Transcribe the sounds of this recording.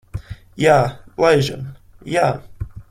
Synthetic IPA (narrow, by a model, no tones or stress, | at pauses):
jæleʒə̰̃njæ